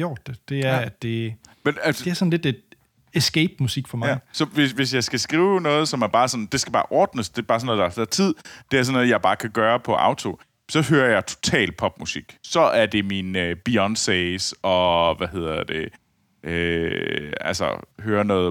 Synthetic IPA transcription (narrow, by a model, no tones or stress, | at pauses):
od̥ed̥e̝æɐ̥e̝menælsde̝æɐsɔnle̝d̥ed̥ | esɡ̥eɪb̥musiɡ̥fɒmɑsɒ̽ʋe̝sʋe̝sjɑ̈ɪsɡ̥æsɡ̥ʁiːʊnɔ̽ːð̞̩ˠsɒ̽mæɐb̥ɑ̈ːsɒ̽n̩d̥e̝sɡ̥æb̥ɑ̈ːʔɒːd̥nəsd̥e̝b̥ɑ̈ːsɒnːɔːðˠd̥ɑsæt͡sʰið̰ˠd̥e̝æɐsɒnːɔ̽ðˠjɑ̈ɪb̥ɑ̈ːkʰæɡ̥ɶːɐpʰɒ̽ʔɑ̰̈ʊt͡sʰo̝ | sɒ̽ɦøːɐjɑ̈ɪt͡sʰo̝̥t͡sʰɛ̰ːl̚pʰɒ̽b̥musiɡ̥sɒ̽ʔæɐd̥e̝minøb̥iɒn̥sɛɪsɒ̽ʋæɦe̝ð̰ˠɐd̥e̝ | ʔø | ælsɒ̰høːɐnɔːð̩ˠ